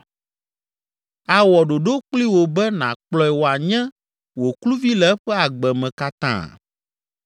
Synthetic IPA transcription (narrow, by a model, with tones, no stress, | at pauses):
a˨wɔ˨ɖo˨ɖo˦k͡pli˦wo˨bɛ˦nã̰˨k͡plɔ˦ɛ˨wo˨a˨ɲɛ̃˦ | wo˨klu˦vi˦lɛ˦ɸɛ˦a˨ɡ͡bɛ˨mɛ̃˨ka˦t̪ã̰˦˨